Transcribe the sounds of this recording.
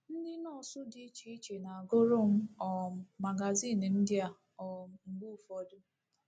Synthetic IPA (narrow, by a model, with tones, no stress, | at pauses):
n̩˦dɪ˦nɔ˦˨sʊ˦dɪ˦t͡ʃi˨i˦t͡ʃe˨na˨a˨ɡʊ˦ɾʊ˦m̩˦ɔ˨m̩˨ma˨ɡa˨zi˦˨n˨n̩˦dɪ˦a˨ | ɔ˨ŋ͡m̩˨ɡ͡bu˦˨fɔ˦dʊ˦